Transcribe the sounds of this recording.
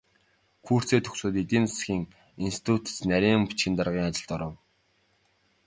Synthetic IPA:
kʰuːr̥t͡seːt̪ʰɵ̥ksoːt̪et̪iːnt͡s̪ʰḁsxiːŋ | inst̪ʰi̥t̪ʰut̪t͡snæɾʲiːmpu̥t͡ɕxɪ̆nt̪arʁiːŋat͡ɕɪ̆ɮt̪ɔɾɞ̆w

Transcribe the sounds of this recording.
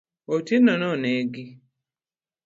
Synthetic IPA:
otinɔnɔneɡi

